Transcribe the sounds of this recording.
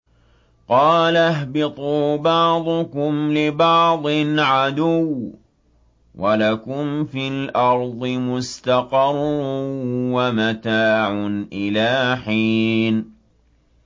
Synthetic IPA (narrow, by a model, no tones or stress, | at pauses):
qɑːlɦbɪt̪ˤuːbɑʕd̪ˤʊkʊmlɪbɑʕd̪ˤɪnʕad̪ʊw | wʔalakʊmfilʔɑɾˤd̪ˤɨmʊst̪aqɑrˤːʊwamat̪aːʕʊnʔɪlaːħiːn